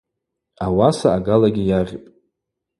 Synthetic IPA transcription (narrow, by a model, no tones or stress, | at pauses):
awasaːɡalaɡʲijarʲpʼ